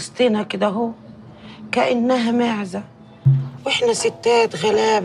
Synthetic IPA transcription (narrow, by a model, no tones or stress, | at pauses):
st̪iːnakɪd̪æɦuː | kaʔanːaɦæmaʕza | wɪħnasɪt̪ːæːt̪ɣalæːb